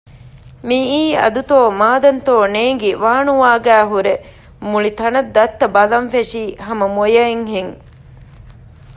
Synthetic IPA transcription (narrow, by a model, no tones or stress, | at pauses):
miiːɐ̰d̪ut̪oːmaːd̪ɐnt̪oːneːŋɡiʋaːnuʋaːɡæːɦuɾe | muɭit̪ɐnɐd̪ːɐt̪ːɐbɐlɐnfeʂiːɦɐmɐmojɐeŋɦeŋ